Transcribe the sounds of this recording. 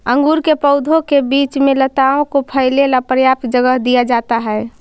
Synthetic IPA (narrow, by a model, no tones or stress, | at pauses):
ə̃ŋɡuːɾkepəʊd̪ʱõkebiːt͡ʃmẽlət̪aõkopʰəɪlelapɾjaːp̚t̪d͡ʒəɡəɦd̪ijad͡ʒaːt̪aɦɛː